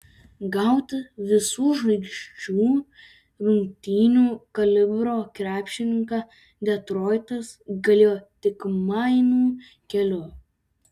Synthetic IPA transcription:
ɡɐʊt̪ʲʋʲɪsuːʒɐɪkʃʲt͡ʃʲuː | ɾʊŋʲkt̪ʲiːnʲuːkɐlʲɪbɾoːkɾʲæːpʲʃʲɪnʲɪŋkɑ | d̪ʲɛt̪ɾoːɪt̪ɐsɡɐlʲeːjoːt̪ʲɪkmɐɪnuː | kʲɛlʲʊ

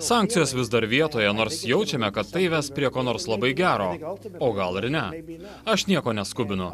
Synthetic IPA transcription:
sɑˑŋkt̪sʲɪjoːsʋʲɪzd̪ɐɾʋʲiɛt̪oːjɛnoːɾsjɛʊt͡ʃʲɛmʲɛkɐt̪ːɐɪʋʲɛspʲɾʲiɛkoːnoːɾslˠɐbɐɪɡʲæːɾoːoːɡɐlˠɪɾnʲɛ | ɐʃnʲiɛkoːnʲɛskʊbʲɪnʊ

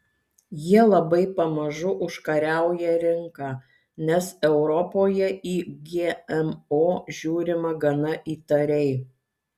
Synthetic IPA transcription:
jiɛlˠɐbɐɪpɐmɐʒʊʔʊʃkɐɾʲæˑʊjɛɾʲɪŋkɑː | nʲɛsɛʊɾɔpoːjɛʔiːɡʲeːɛmoːʒʲuːɾʲɪmɐɡɐnɐʔiːt̪ɐɾʲɛɪ

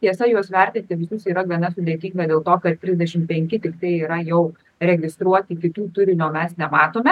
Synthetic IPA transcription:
t̪ʲiɛsɐjuɔsʋʲɛɾʲt̪ʲɪnt̪ʲɪʋʲɪsʊsiːɾɐɡʲiɛnɐsʊd̪ʲeɛt̪ʲiːŋɡɐd̪ʲeːlˠt̪oːkɐt̪t̪ʲɾʲɪzʲd̪ʲɛʃʲɪmpʲɛŋʲkʲɪt̪ʲɪkt̪ɐɪiːɾɐjɛʊ | ɾʲɛɡʲɪst̪ɾuɔt̪ʲiːkʲɪt̪uːt̪ʊɾʲɪnʲuoːmʲɛsnʲɛmɑːt̪oːmʲɛ

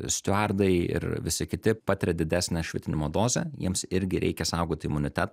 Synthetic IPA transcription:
sʲt̪ʲʊɑrd̪ɐɪɪ̰ɾʋʲɪsʲɪkʲɪt̪ʲɪpɑːt̪ʲɪɾʲɛd̪ʲɪd̪ʲæsʲnʲɛʃʲʋʲɪt̪ʲɪnʲɪmoːd̪oːzʲɛ̰jiɛmsɪɾʲɡʲɪɾʲʔɛ̰ɪkʲɛsɐʊɡoːt̪ʲɪɪmʊnʲɪt̪ʲæt̪

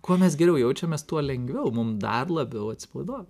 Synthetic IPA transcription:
kuɔmʲɛs̬ɡʲɛɾʲɛʊjɛʊt͡ʃʲɛmʲɛst̪uɔlʲɛŋɡʋʲɛʊmʊmd̪ɐrlˠɐbʲɛʊɐt̪ʲsʲɪ̥pɐʊd̪oːj

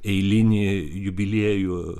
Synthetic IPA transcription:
ɛɪlʲɪnʲɪ | jʊbʲɪlʲeːjʊ

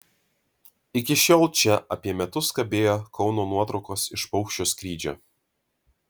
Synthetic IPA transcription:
ɪkʲɪʃʲoːlˠt͡ʃʲɛʔɐ̰pʲiɛmʲɛt̪ʊskɐbʲeːjoːkɒʊnoːnuɔt̪ɾɒʊkoːsɪʃpɒʊkʃʲt͡ʃʲoːskɾʲiːd͡ʒʲo̰ː

